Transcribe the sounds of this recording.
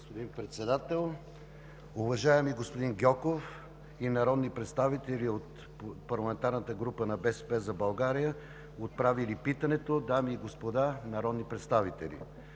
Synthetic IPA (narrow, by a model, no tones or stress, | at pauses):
ɡospod̪inpɾɛt̪sɛd̪at̪ɛlˠ | uvɐʒaɛmiɡospod̪inɡʲɔkof | inɐɾɔd̪nipɾɛt̪st̪avit̪ɛlʲiot̪ | pɐɾlˠɐmɛnt̪aɾnət̪əɡɾupənɐbɛspɛzɐbɐlˠɡaɾijə | ot̪̚pɾavilipit̪ənɛt̪od̪amiːɡospod̪anɐɾɔd̪nipɾɛt̪st̪avit̪ɛlḭ